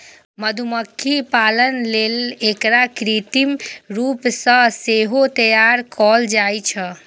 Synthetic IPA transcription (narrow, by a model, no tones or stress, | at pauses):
məd̪ʱuməkʰːipalənleːlekɾakɾit̪imɾuːpsə̃seɦot̪əjaɾkɔld͡ʒajt͡ʃʰə